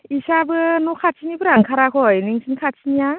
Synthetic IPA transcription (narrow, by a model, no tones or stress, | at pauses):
isabɯnɔkʰat͡ʃʰinibɯɾaŋkʰaɾakʰɔjnɯŋsʰinkʰat͡ʃʰinija